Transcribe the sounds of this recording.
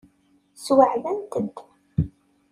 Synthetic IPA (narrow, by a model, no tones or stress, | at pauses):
swəʕðænt̪əd̪